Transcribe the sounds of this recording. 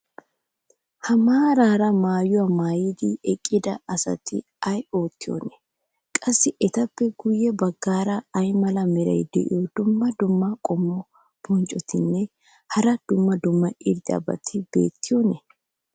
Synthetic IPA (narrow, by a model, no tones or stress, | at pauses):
hɐmaːɾaːɾɐmaːjʊwɐmaːjɪd̪ɪɛkʼːɪd̪ɐɐsɐ̰t̪ɪ̰ | ɐjo̞ːt̪ːɪjo̰nɛ | kʼɐsːɪʔɛt̪ɐpːɛɡʊjːɛbɐɡːaːɾɐɐjmɐlɐmɛɾɐ̰jd̪ɛ̰ʔɪ̰jod̪ʊmːɐd̪ʊmːɐkʼɔmːɔ | b̥ɔnt͡ʃʼɔt̪ɪnːɛ | hɐɾɐd̪̥ʊmːɐd̪ʊmːɐɪɾd̪ɪɐ̰bɐ̰t̪ʰɪbḛːt̪ːɪjɔnɛ